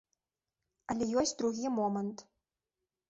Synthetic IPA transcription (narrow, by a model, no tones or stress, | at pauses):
ɐlʲɛjɔsʲtʲd̪ɾuɣʲimɔmənt̪